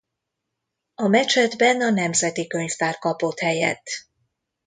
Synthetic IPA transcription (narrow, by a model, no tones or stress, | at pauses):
ɒmɛt͡ʃɛd̪bɛnɒnɛmzɛt̪ikø̞ɲft̪aːrkɒpo̞t̪hɛjɛ̰t̪ː